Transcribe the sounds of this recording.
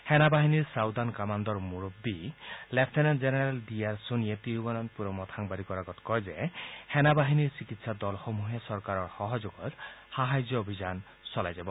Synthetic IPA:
hɛnabaɦiniɹsawd̪ankamand̪ɔɹmuɹobːilepʰtʰenand͡ʒeneɾaldiaɹsonijet̪iɹubɔnɔnpuɾɔmɔt̪ʰaŋbaɾikɔɾaɡɔt̪kɔjzehɛnabaɦiniɹsikit̪sad̪ɔlxɔmuɦesɔɹkaɾɔɹxɔɦɔd͡ʒoɡɔt̪haɦajd͡ʒɔobʱizan | sɔlajd͡ʒabɔ

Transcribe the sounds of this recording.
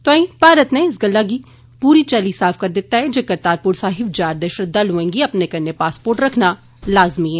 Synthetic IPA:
t̪oaĩpaːɾət̪neɪs̬ɡɐlːaɡi | puːɾit͡ʃɛːlisaːfkɐɾd̪ɪt̪ːaɦɛd͡ʒɐkəɾt̪aːɾpʊɾsaːɦɪbd͡ʒaːɾd̪ɛʃət̪̚d̪alɦʊẽːŋɡiɐpnekɐnːepaːspoːɾʈɾɐkʰna | laːzmiɦɛ̃ː

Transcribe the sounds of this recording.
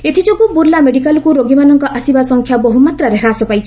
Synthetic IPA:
et̪ʰid͡ʒoɡubuɾlameɖikalɔkuɾoɡimanɔŋkɔʔasibasɔŋkʰjaboɦumat̪ɾaɾeɦɾasɔpajt͡ʃʰi̥

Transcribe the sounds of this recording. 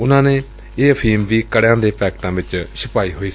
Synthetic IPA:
ʊnãːneː | eːəpʰiːmʋiːkəɽejãːd̪eːpʰɛːkʈãːʋɪt͡ʃsəpaːiːɦoːiː

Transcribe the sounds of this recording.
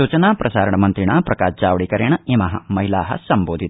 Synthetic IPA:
uːt͡ʃɐnaːpɾɐsaːɾɐɳɐmɐnt̪ɾiɳaːpɾɐkaːʃd͡ʒaːʋɐɭikɐɾjɐɳɐeːmɐɦɐ̰mɐɦilaːɦɐ̰sɐmboːd̪ʱit̪

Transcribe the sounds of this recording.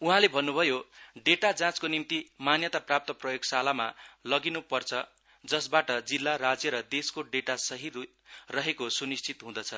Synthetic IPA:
uɦãlebʱʌnːubʱʌjoɖeʈad͡zãt͡skonimt̪imanjʌt̪aprap̚t̪ʌprʌjoɡsalamalʌɡinupʌrt͡sʰʌ | d͡zʌsbaʈʌd͡zilːaɾad͡zjʌɾʌd̪eskoɖeʈasʌɦi | rʌɦekosunist͡sʰit̪ɦũd̪ʌt͡sʰʌ

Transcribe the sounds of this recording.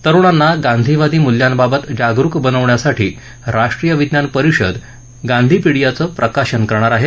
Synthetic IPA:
t̪əɾuɽ̃anːaɡãnd̪ʱiʋad̪iːmuljanbabət̪d͡ʑaɡɾukbənəʋɳjasaʈḭː | ɾaʂʈɾijəʋid̪njanpəɾiɕə̰d̪ | ɡãnd̪ʱiːpiɽijat͡səːpɾʔəkaɕənkəɾɳ̃aɾaɦe

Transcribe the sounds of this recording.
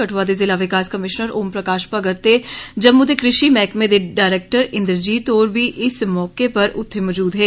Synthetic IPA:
kɐʈʰʋaːd̪ezɪlaʋɪkaːskɐmɪʃnəɾoːmpɾɐkaːʃpɐɡət̪ɦed͡ʒɐbmud̪ekɾɪʃimɛːkmẽd̪eɖaːɪɾeːk̚ʈəɾɪ̃nd̪ɾd͡ʒiːt̪ɔːɾbʱiʔɪsmɔːkepɐɾʊt̪ʰːemɔːd͡ʒuːd̪ɦɛː

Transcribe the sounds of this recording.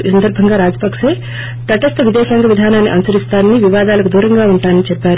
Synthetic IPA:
iːsɐnd̪ɐɾbʱɐŋɡaːɾaːd͡ʒɐpɐkʂeː | t̪ɐʈɐst̪ɐʋid̪ɛːʃɐŋɡɐʋid̪ʱaːnaːnːiʔɐ̰nusɐɾist̪aːnɐniʋiʋaːd̪aːlɐkud̪uːɾɐŋɡaːuɳʈaːnɐnit͡ʃɛpːaːɾ

